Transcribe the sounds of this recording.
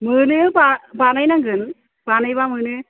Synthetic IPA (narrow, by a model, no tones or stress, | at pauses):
mɨːnɨpapɐnɐjnɐŋɡɯn | pɐnɐjʋaːmɨːnɨ